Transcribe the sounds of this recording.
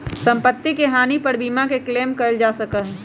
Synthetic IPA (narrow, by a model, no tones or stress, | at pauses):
sɐ̃mpət̪ːikeɦaːnipɐɾbiːmakekleːmkɐld͡ʒaːsɐkəɦɛ̃